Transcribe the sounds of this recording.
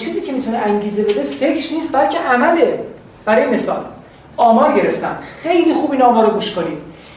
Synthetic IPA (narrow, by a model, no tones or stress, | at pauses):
t͡ʃʰiːziːcʰe̞mit̪ʰuneʔæŋɟiːze̞be̞d̪e̞fe̞cʰɾniːst̪̚bælcʰe̞ʔæmæd̪e | b̥æɾɒːjeme̞sɒ̰ːl | ɒːmɒːɾɟe̞ɾe̞ft̪ʰæ̰nxe̞jliːxuːbinɒːmɒːɾoɡuːʃkʰoniːd̪̥